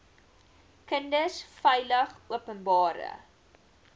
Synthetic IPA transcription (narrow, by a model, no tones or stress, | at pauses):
kəndəsfɛjləχuəpənbɑːɾə̰